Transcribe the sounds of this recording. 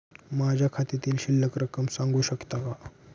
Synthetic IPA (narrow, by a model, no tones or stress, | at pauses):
mad͡ʑʱjakʰat̪it̪iːlɕilːəkɾəkəmsãŋɡuːɕəkt̪aka